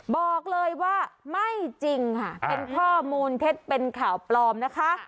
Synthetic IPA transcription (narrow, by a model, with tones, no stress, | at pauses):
bɔː˨˩k̚lɤː˧jwaː˥˩ma˥˩jt͡ɕi˧ŋkʰa˥˩pe˧nkʰɔː˥˩muː˧np̪ʰe˦˥t̪̚pe˧nkʰaː˨˩˦wplɔː˧mna˦˥kʰa˦˥ʔ